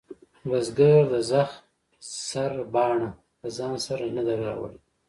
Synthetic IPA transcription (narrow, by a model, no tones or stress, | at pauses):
wazɡaɾd̪əzaxt̪ | saɾbɑːɳa | ləzɑːnsaɾanad̪aɾa̰wə̰l